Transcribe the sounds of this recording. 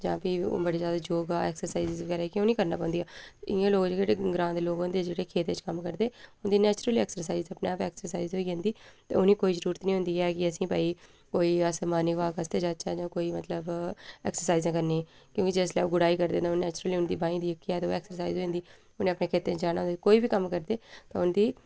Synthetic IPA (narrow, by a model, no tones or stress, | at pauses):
d͡ʒãːpio̰ːbəɽeːzjaːd̪aːd͡ʒoːɡaːɛ̰ːksəɾsaːizɪzʋəɡɛːɾaːɛkɪoːniːkəɾna̰ːpãːnd̪ijaːɪãːloːɡd͡ʒɡeːɽɡɾãːnd̪loːɡãːd̪eːd͡ʒeːɽeːkʰeːt̪ɪt͡ʃkəmkəɾd̪eːʊnd̪iːnɛːt͡ʃɾəlɛːksəɾs̬aːizzəpneːaːpɛːksəɾsaːiːzɦoːiːɡẽːnd̪iːt̪ḛːʊniːkoːiːzəɾuːɾət̪nĩːɦʊ̃nd̪iːɛːkɪəsĩːpa̰ːiː | koːiːəsəmaːnikʋaːkəst̪eːd͡ʒaːd̪t͡ʃaːd͡ʒãːkoːiːmət̪ləbɛ̰ːksəɾsaːizẽkəɾneːɛː | kjõːkɪd͡ʒeɪslɛ̰ːɡʊɽaːiːkəɾd̪ẽːt̪ãnɛːt͡ʃɾəliːʊnd̪iːbãːĩːd̪iːəkːiɛːt̪ːoɛːksəɾsaːizɦoːẽːnd̪iː | ʊnẽːəpnẽːkʰeːt̪ẽːt͡ʃd͡ʒaːɽ̃aːɦʊnd̪ekoːiːbiːkəmkəɾd̪eːt̪ã̰ːʊnd̪iː